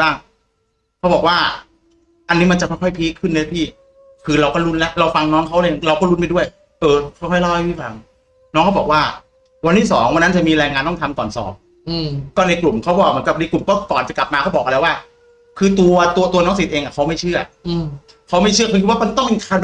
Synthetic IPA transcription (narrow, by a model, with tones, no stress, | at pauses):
aː˥˩ŋ | kʰa˦˥wbɔː˨˩k̚waː˥˩ | ʔa˧nːiː˦˥ma˧nt͡ɕa˨˩ɔ˥˩jkʰɔ˥˩jpʰiː˦˥kʰːɯ˥˩nːɯ˦˥pʰiː˥˩ | kʰɯː˧ɾa˧wkɔː˥˩ɾu˦˥nla˦˥ɾa˧wfa˧ŋnɔː˦˥ŋkʰa˦˥wlːɾa˧wkɔː˥˩ɾu˦˥nma˥˩jdu˥˩əj | ʔɤː˧kʰkʰɔ˥˩jlɔ˥˩a˥˩pʰiː˥˩fa˧ŋ | nɔː˦˥ŋkʰa˦˥bɔː˨˩kwaː˥˩ | wa˧nt̪ʰiː˥˩sɔ̰ː˩˦ŋwa˧nːa˦˥nt͡ɕa˨˩miː˧ɾaː˧ŋaː˧nt̪ɔ˥˩ŋt̪ʰa˧mkɔː˨˩nsɔ̰ː˩˦m̚˧ | kɔː˥˩na˧jklu˨˩mkʰa˦˥wbɔː˨˩k̚mɯ˩˦nka˨˩p̚na˧jklu˨˩mkɔː˥˩kɔː˨˩nt͡ɕa˨˩kla˨˩p̚maː˧kʰa˦˥wbɔː˨˩k̚ʔa˧ɾa˧jwaː˥˩ | kʰɯː˧t̪u˧ɐt̪u˧ɐt̪u˧ɐnɔː˦˥ŋsi˨˩t̪̚ʔeː˧ŋʔa˨˩kʰa˦˥wma˥˩t͡ɕʰɯ˥˩ɐ˧ | kʰa˦˥wma˥˩jt͡ɕʰɯ˥˩ɐkʰkʰi˦˥twa˥˨ma˧nt̪ɔ˥˩ŋmi˧kʰaː˧˩n